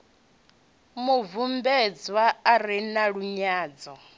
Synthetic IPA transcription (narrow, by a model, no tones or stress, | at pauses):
muvumbɛd͡zwaːɾinaɺuɲaːd͡zɔ